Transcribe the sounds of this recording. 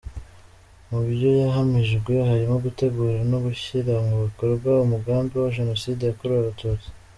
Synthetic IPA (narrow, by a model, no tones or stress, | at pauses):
muβɾɟo̞jaɦamiʒɡweɦaɾimoɡute̞ɡuːɾiɾanoɡuçiɾaŋɡuβikoɾɡaumuɡaːmbewaʒe̞no̞sidejakoɾwaβatut͡si̥